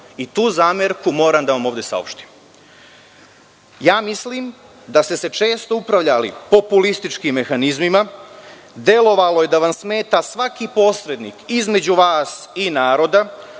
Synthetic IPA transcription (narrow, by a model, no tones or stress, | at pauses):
it̪uːzaːmeɾkumo̞ːɾamd̪aʋamo̞ːʋd̪e̞sa̰o̰pʃt̪i̥m | jaːmisliːm | d̪ast̪e̞se̞t͡ʃe̞ːst̪o̞upɾaʋʎalḭpo̞pulist̪it͡ʃkimːe̞xanizmima | d̪e̞lo̞ʋalo̞je̞d̪aʋamsme̞ːt̪asʋakipo̞sɾe̞d̪niːkizme̞d͡ʑuʋaːsinaːɾo̞d̪a